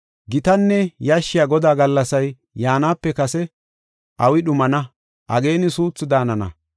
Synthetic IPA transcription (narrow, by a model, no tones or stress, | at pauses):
ɡɪt̪ɐnːɛjɐʃːɪjaːɡɔd̪aːɡɐlːɐsɐjː | aːnaːpːɛkɐsɛ | ʔɐwɪɗʊmɐnɐ | ʔɐ̰ɡe̞ːnɪsuːt͡sːɪd̪aːnɐnɐ̰